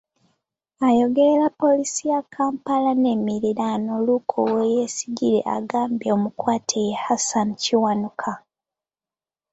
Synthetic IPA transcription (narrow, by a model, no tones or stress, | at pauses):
ajo̞ɡe̞ɾeɾapːo̞lisijakʰaːmpalane̞ːmiɾiɾano̞lukʰo̰weje̞siɟiɾe̞̰ʔa̰ɡaːmbjeomukwaːtʰejehasanciwanukʰa